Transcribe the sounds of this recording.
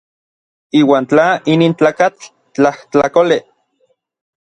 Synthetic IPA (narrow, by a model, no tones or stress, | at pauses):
iːwaːnt͡ɬainiːnt͡ɬaːkat͡ɬ | t͡ɬaht͡ɬakole